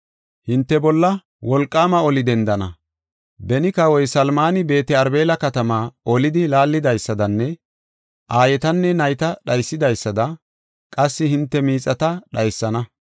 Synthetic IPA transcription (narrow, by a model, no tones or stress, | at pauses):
hɪnt̪ːɛbɔlːɐ | wɔlkʼːaːmɐɔlɪd̪ɛnd̪ɐnɐ | bɛnɪkawɔjsɐlmaːnɪbe̞ːt̪ɛɐɾbe̞ːlɐkɐt̪ɐmaːɔlɪd̪ɪlaːlːɪd̪ɐjsːɐd̪ɐnːɛ | ʔaːjɛt̪ɐnːɛnɐjt̪ɐɗɐjsːɪd̪ɐjsːɐd̪ɐ | kʼɐsːɪhɪnt̪ːɛmiːt͡sʼːɐt̪ɐɗɐjsːɐnɐ